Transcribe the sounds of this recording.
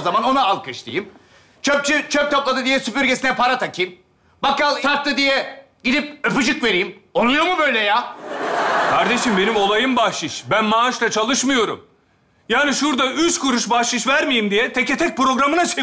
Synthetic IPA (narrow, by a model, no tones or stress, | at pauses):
zamano̞naːlˠkɯʃt̪ḭjim | t͡ʃʰøp̚t͡ʃyt͡ʃʰøp̚t̪ʰoplˠad̪ɯd̪ijɛsypyɾɟesinɛpʰaɾat̪ʰacʰiːm | bakːalˠt̪ʰaɾt̪ːɯd̪ijɛ | ɟid̪ip̚øpyd͡ʒɯkve̞ɾiːmolˠujo̞ɾmubøjlʲɛjaː | kʰaɾd̪e̞ʃimbe̞nimo̞lˠajɯmbaʃˠɯʃbænmaːʃlˠat͡ʃʰalˠɯʃmɯjo̞ɾṵm | jaːniʃuɾd̪ayt͡ʃkʰuɾuʃbaʃɯʃvæɾmijimd̪ijɛt̪ʰecɛt̪ʰɛc̚pɾo̞ɡɾamɯnat͡ʃʰe